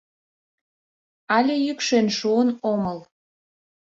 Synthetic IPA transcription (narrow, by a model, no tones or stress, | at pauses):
ɑlʲejykʃenʃuənoməl